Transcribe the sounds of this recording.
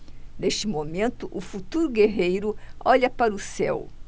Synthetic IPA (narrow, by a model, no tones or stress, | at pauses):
neʃt͡ʃɪmomẽnt̪ʊʔʊfut̪uɾʊɡeɦejɾʊɔʎɐpaɾʊsɛ̰w